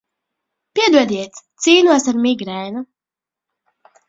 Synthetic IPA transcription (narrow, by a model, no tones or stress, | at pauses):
piɛd̪uɔd̪iɛt̪siːnuɔsaɾmiɡɾɛːnu